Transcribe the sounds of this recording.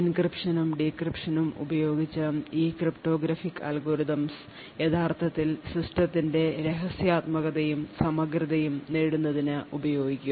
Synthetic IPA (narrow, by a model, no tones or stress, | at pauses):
inkripʂɐnumɖikripʂɐnumṵbɐjo̞ːɡit͡ɕːɨiːkripʈo̞ːɡɾɐfikːa̰ːlɡoːɾiðɐms | jet̪ʰaːrt̪ʰɐt̪ːilsisʈɐt̪ːinde̞ɾe̞ɦɐsjaːt̪mɐɣɐðɐjumsɐmɐkriðɐjumneːɽunːɐðinɨubɐjo̞ːɡikʲːum